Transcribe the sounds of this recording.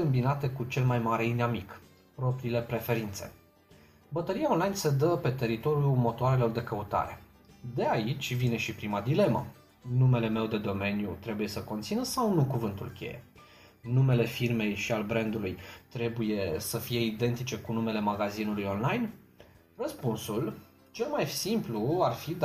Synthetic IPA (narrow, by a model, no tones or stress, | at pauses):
ɨmbinat̪e̞kut͡ʃe̞lmajmaɾe̞inamik | pɾo̞pɾiːle̞pɾe̞fe̞ɾint̪se̞̰ | bət̪əɾijaonlajnse̞d̪əpe̞t̪e̞ɾit̪o̞ɾijumo̞t̪oaɾe̞lo̞rd̪e̞kəut̪a̰ɾe̞̰ | d̪e̞ait͡ʃʲvine̞ʃipɾimad̪ile̞mə̰ | nume̞le̞me̞wd̪e̞d̪o̞me̞njṵt̪ɾe̞buje̞səko̞nt̪sinəsawnukuvɨnt̪ulkʲe̞̰jḛ | nume̞le̞firme̞jʃialbɾe̞nd̪ulujt̪ɾe̞buje̞səfije̞id̪e̞nt̪it͡ʃe̞kunume̞le̞maɡazinulujo̞nlajn | rəspunsul | t͡ʃe̞lmajsimpluarfid̪